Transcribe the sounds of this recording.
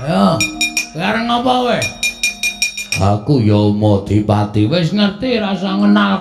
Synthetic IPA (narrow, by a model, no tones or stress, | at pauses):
ja | aɾəŋopɔwe | akujɔmod̪̥i̤pat̪iwɪsŋərt̪iɾasaŋənal